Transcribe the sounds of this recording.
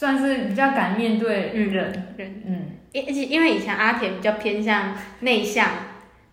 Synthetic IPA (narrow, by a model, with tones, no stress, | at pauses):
swa˥˧nʂɻ̩˥˩pi˨˩t͡ɕjɑ˥˩ʊka˨˩nmjɛ˥˧nt̪we˥˧ɪ˥˧ɻə˥˨˩nɻə˥˧nn̩˥˩˥t͡ɕʰi˧˩i˦nwe˥˩ɪi˨˩˥ŋʔa˥t̪ʰjɛ˨˧˦npi˨˩t͡ɕjɑ˥˩ʊpʰjɛ˥nɕ̬jɑ˥˧ŋne˥˧ɪɕjɑ˥˨ŋ